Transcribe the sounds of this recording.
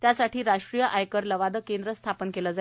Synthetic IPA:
t̪jasaʈʰiːɾaʂʈɾijəʔajkəɾləʋad̪əkend̪ɾəst̪ʰapənkeləd͡za

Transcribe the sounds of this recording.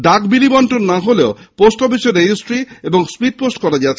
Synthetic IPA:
ɖakbilibɔɳʈonːaɦoleoposʈobiʃeɾed͡ʒisʈɾiebɔŋspiʈ̚posʈkɔɾad͡ʒat͡ɕʰe

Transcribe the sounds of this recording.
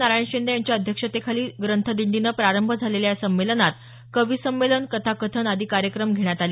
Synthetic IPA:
naɾaɳɕind̪əjaɲt͡ɕjaəd̪ʱjəkʂət̪ekʰaliːɡɾənt̪ʰəd̪iɳɖ̪inəːpɾaɾəmbʱəd͡zʱaleljasəmːelənat̪ | kəʋisəmːelənkət̪ʰakət̪ʰənad̪ʱikaɾjəkɾəmɡʱeɳ̃jat̪aliː

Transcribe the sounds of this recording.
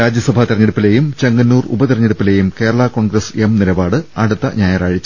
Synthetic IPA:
ɾaːd͡ʑjɐsɐbʱɐt̪irɐɲːeɽupːile̞ːjumt͡ɕeŋɡɐnːuːrṵbɐt̪irɐɲːeɽupːile̞ːjumke̞ːɾɐɭɐko̞ːɳɡɾɐsemnilɐbaːɽɨɐɽut̪ːɐɲaːjɐɾaːɻit͡ɕː

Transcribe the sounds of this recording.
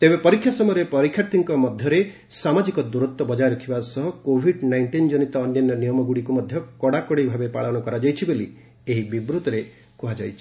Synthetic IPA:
t̪ebepɔɾikʰjasɔmɔjɾepɔɾikʰːjaɾt̪iŋkɔmɔd̪ʱjɔɾe | samad͡ʒikɔd̪uɾɔt̪wɔbɔd͡ʒajɾɔkʰibasɔɦɔkobʱiɖnajɳʈind͡ʒɔnit̪ɔːnjɔnjɔnijɔmɔɡuɽikumɔd̪ʱjɔkɔɽakɔɽibʱabepaɭɔnɔkɔɾad͡ʒajt͡ʃʰiboli | eɦibibɾut̪ɔɾe | kuɦad͡ʒajt͡ʃʰi̥

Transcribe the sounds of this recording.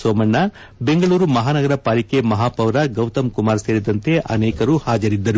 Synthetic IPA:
soːmɐɳːɐ | be̞ŋɡɐɭuːɾumɐɦaːnɐɡɐɾɐpaːlikemɐɦaːpɐʋɾɐɡɐwt̪ɐmkumaːɾseːɾid̪ɐnt̪e̞ʔɐ̰nɛːkɐɾuhaːd͡ʒɐɾid̪ːɐɾu

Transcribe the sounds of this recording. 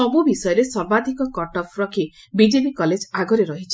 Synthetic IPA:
sɔbubisɔjɔɾesɔɾbad̪ʱikɔkɔʈɔpʰɾɔkʰi | bid͡ʒepikɔled͡ʒaɡɔɾeɾɔɦit͡ʃʰi̥

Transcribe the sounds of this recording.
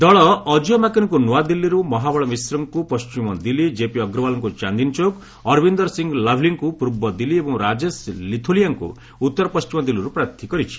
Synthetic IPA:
d̪ɔɭɔːd͡ʒɔmakiɾɔŋkunuwad̪ilːiɾumɔɦabɔɭɔmisɾɔŋkupɔst͡ʃimɔd̪ilid͡ʒepiɔɡɾɔbalɔŋkut͡ʃand̪int͡ʃok | ɔɾbind̪ɔɾsiŋɡlɔbʱliŋkupɾuɾbɔd̪iliebɔ̃ŋɾad͡ʒeslit̪ʰulijaŋkṵ | ut̪ːɔɾɔpɔst͡ʃimɔd̪iliɾupɾat̪ʰikɔɾit͡ʃʰi̥

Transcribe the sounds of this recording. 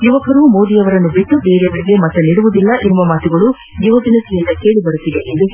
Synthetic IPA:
juʋɐkɐɾumoːd̪ijɐʋɐɾɐnːubiʈːube̞ːɾeʋɐɽiɡemɐt̪ːɐniɽuʋud̪ilːɐʔemʋɐmaːt̪uɡɐɭu | juʋɐɡ̪inɐsijɐnːɐke̞ːɭibɐɽut̪ːiʋeʔend̪u

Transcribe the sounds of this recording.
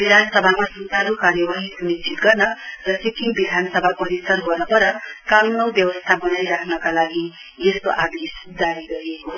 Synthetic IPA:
bid̪ʱanʌsʌbʱakasut̪aɾokaɾjʌbaɦĩsunist͡ʃit̪ɡʌrnʌrʌsikiŋbid̪ʱanʌsʌbʱapʌɾisʌrɦʌnʌpʌɾʌkalnʌwbjʌwʌst̪ʰabʌnajɾakʰnʌkalaɡi | est̪o̰ʔad̪esd̪aɾiɡʌɾieko

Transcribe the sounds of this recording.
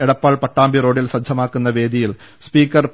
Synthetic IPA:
eɽɐpːaːɭpɐʈːaːmbiɾo̞ːɽilsɐdd͡ʑʱɐmaːkːunːɐʋe̞ːd̪ijil | spiːkːɐr

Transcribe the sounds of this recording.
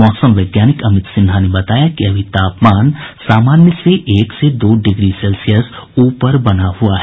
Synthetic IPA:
ɔːsəmʋɐːɡjaːnɪkɐmɪt̪sɪnɦanebɐt̪aːjakiɐbʱit̪aːpmaːnsaːmaːnjəseʔeːksed̪oːɖɪɡɾisɛːlsijəs | uːpəɾbɐnaɦʊaɦɛ

